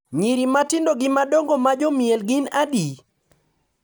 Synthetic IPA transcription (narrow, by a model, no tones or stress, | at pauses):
ɲiɾimatɪndoɡɪmadoŋɡomad͡ʒɔmielɡɪnadi